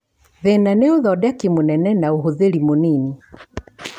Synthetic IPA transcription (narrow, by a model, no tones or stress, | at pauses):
ðɛnanɛɔðɔdakimunɛnɛnauɦuðelimunini